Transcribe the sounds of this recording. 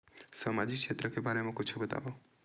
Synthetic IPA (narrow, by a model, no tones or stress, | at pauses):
səmad͡ʒikʃet̪ɾəkebʱaɾemãkʊt͡ʃʰubət̪a̰ʋo